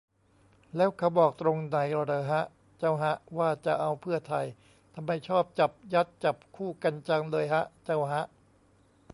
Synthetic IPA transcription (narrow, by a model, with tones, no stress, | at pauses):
lɛː˦˥wkʰa˧˩wbɔː˨˩k̚t̪ɾo˧ŋna˨˩˦jlɔː˧˩daː˧ɦa˦˥ʔ | t͡ɕa˥˩˨wɦa˦˥ʔwaː˥˩t͡ɕa˨˩ʔa˧wpʰɯ˥˩ɐt̪ʰa˧j | t̪ʰa˧mːa˧˩jt͡ɕʰɔː˥˩p̚t͡ɕa˨˩p̚ja˦˥t̪̚t͡ɕa˨˩p̚kʰuː˥˩ka˧nt͡ɕa˧ŋlɤː˧jɦa˦˥ʔt͡ɕa˧˥˩wɦa˦˥ʔ